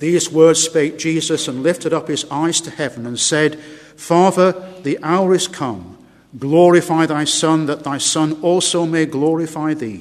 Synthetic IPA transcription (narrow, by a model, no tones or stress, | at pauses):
ðizwɜ˞dz̥speɪk̚d̥ʒ̥izɨsə̃nlɪftɨɾʌp̚hɨzaɪz̥tʰɨhɛvə̃nɨ̃nsɛd̥ | fɑðə˞ðiʔaʊə˞ɨz̥kʰʌ̃m | ɡlɔɹɨfaɪðaɪsʌ̃nðət̪̚ðaɪsʌ̃nɔlˠsoʊmeɪɡlɔɹɨfaɪðḭ